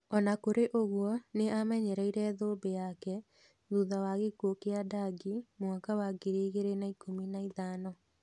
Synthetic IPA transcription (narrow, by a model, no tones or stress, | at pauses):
ɔnakoɾeʔoɣwɔneamɛɲɛɾɛiɾɛðobejakɛ | ðuðawaɣekokeadaɡimwakawaɡeɾeɣeɾenaikʰominaiðanɔ